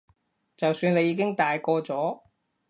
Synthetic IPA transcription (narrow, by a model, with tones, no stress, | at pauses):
t͡sɐ˨wsyː˧ne˨˧jːiː˨˧kɪ˥ŋt̪aː˨jkɔː˧t͡sɔː˨˥